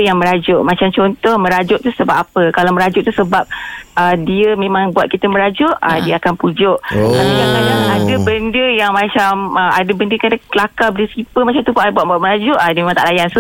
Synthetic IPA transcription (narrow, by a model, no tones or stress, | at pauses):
jaŋmə̃ɾad͡ʒʊʔmat͡ʃamt͡ʃɔnt̪ɔhmə̃ɾad͡ʒʊʔt̪usəbap̚apəkalawmə̃ɾad͡ʒʊʔt̪usəbap̚ədiəmẽmãŋbuat̪̚kit̪əməɾad͡ʒʊʔa̰diəakanpud͡ʒʊʔaajalajanadəbəndəjaŋmãt͡ʃaməadəbəndəkadaəlakabəndəsipəmat͡ʃamt̪upaʔbuat̪̚buat̪̚mə̃ɾad͡ʒʊʔadiəmemaŋt̪a̰ʔlajansu